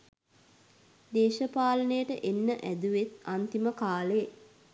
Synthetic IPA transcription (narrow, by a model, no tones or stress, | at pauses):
d̪eːʃəpaːlənəjəʈəʔenːəʔæd̪uʋet̪ant̪iməkaːle